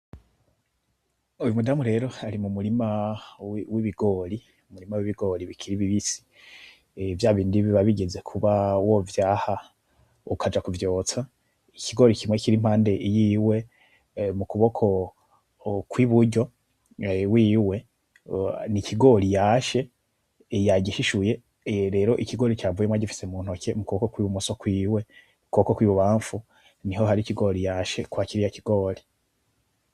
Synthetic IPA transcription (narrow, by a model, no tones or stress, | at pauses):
ujumudamuɾe̞ɾo̞aɾimumuɾimawwiβiɡo̞ɾi | umuɾimawiβiɡo̞ːɾiβikʰiɾiβiβisi̥ | vjaːβiːndiβiβaβiɡe̞ze̞kʰuβawovjaːha | ukad͡ʒakuvjo̞ːt͡sa | ikiɡo̞ːɾicʰimwe̞ciɾim̥haːnde̞ijiːwe̞ | mukuβo̞kʰo̞ | kwiβuɾɟo̞ | wiːwe̞ | nicʰiɡo̞ːɾijaːʃe̞ | jaɟiʃiʃuje̞ | ɾe̞ːɾo̞ʔikiɡo̞ːɾit͡ʃaːvujemwaɟifi̥se̞muːnho̞ke̞mukuβokokwiːβumuso̞kwiːwe̞ | mukuβokokwiːβuβaːɱfu | niho̞ɦaɾiciɡo̞ɾijaːʃe̞kwakiɾijaciɡo̞ːɾi